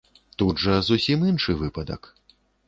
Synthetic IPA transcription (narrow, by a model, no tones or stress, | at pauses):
t̪udʐɐzusʲiminʂɨvɨpɐd̪ɐ̰k